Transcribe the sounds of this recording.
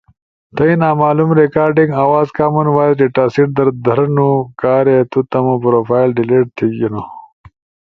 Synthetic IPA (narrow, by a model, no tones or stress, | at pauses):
t̪ɐinaːmaːlumɾekaːɾɖiŋɡaːwaːzkaːmunwaːjit͡ʃeʈaːsiʈ̚d̪ɐɾd̪ʱɐɾɐnukaːɾet̪ut̪ɐmopɾoːfaːjlɖileːʈ̚t̪ʰiɡino